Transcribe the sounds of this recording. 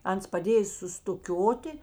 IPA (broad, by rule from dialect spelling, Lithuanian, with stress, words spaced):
ˈɐns pɐˈdʲeːj sʊstʊˈkʲoːtʲɪ